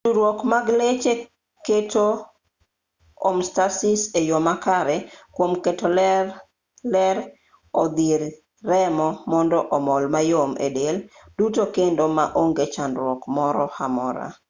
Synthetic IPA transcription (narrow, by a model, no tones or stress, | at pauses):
duɾwɔkmaɡlet͡ʃe | ketʰo | omstasisejomakaɾɛkwomketol | lɛɾ | ɔd̪iɾː | ɛmɔmɔndɔʔɔmɔlmajomʔḛdel | dutokendomaʔoŋɡet͡ʃanɾwɔkmɔɾɔhamɔɾa̰